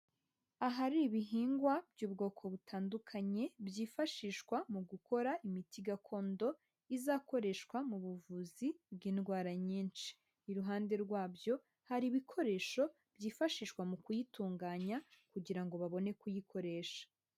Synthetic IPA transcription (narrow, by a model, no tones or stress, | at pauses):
aɦaɾiβiɦiːŋɡwabjuːbɡo̞ːkʰo̞βutʰaːndukʰaɲe̞bjiːfaʃiːʃkwamuɡuko̞ɾaimitiɡakʰo̞ːndo̞ | izaːko̞ɾe̞ːʃkwamuβuvuzibɡiːnɡwaːɾaɲiːnʃi̥ː | ɾuɦaːnde̞ɾɡwaːbjo̞ | haɾiβikʰo̞ɾe̞ːʃo̞ | bjiːfaʃiːʃkwamukujituːŋɡaːɲakuɟiɾaŋɡo̞βaβo̞ne̞kujikʰo̞ɾe̞ːʃḁ